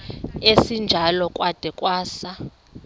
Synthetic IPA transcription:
esind͡ʒʱalɔkʼwad̥ʱɛkʼwaːsa

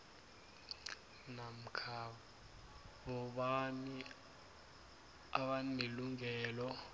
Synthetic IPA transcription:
nam̩kʰaɓ | ɓɔɓani | aɓaneluŋɛːlɔ

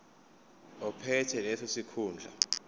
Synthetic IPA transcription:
ɔpʰɛtʰɛlɛsɔsikʰuːnd͡ɮʱa̰

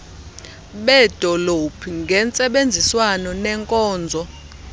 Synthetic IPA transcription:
ɓɛd̥ʱɔlopʰiŋɡʱɛnt͡sʼɛɓend͡zʱiswanɔnɛŋkʼɔːnd͡zʱɔ

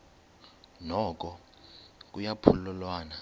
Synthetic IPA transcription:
nɔk̬ʼɔ | k̬ʼujapʰulɔlwaːna

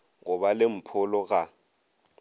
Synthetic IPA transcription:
ŋɔɓalem̩pʰʊlɔɣ̬ʼa

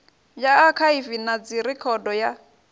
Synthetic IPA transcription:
jaːkʰaifinad͡ziɾikʰɔdɔja

